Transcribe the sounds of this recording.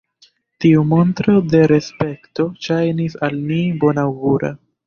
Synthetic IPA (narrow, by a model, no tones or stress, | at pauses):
tiumo̞ntɾo̞de̞ɾe̞spe̞kto̞ʃajnisalnibo̞nawɡuɾa̰